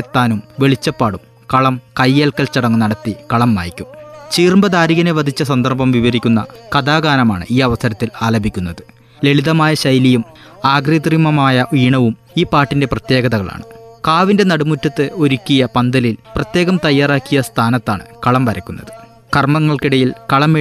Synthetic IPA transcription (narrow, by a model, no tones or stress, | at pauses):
et̪ːaːnumʋe̞ɭit͡ɕːɐpːaːɽum | kɐɭɐmkɐjːeːlkːɐlt͡ɕɐɽɐŋːunɐɽɐt̪ːikɐɭɐmːa̰ːjikʲːumt͡ɕiːrmbɐðaːɾiɣɐneʋɐd̪ʱit͡ɕːɐsɐnd̪ɐrbɐmʋiʋɐɾikʲːunːɐ̰kɐd̪aːɡaːnɐma̰ːɳɨ̰ʔiːɐʋɐsɐɾɐt̪ːilaːlɐbʱikʲːun̪ːɐðɨ | le̞ɭiðɐmaːjɐɕɐjlijum | aːɡrid̪rimɐmaːjɐʋiːɳɐʋum | iːpːaːʈːinde̞prɐt̪je̞ːɡɐðɐɣɐɭa̰ːɳɨkaːʋinde̞nɐɽumutːɐt̪ːɨo̞ɾukʲːijɐpɐnd̪ɐlilprɐt̪je̞ːɣɐmt̪ɐjːaːraːkːijɐst̪ʰaːnɐt̪ːaːɳɨ̰kɐɭɐmʋɐɾɐkʲːunːɐðɨ | kɐrmɐŋːɐɭkiɽɐjilkɐɭɐme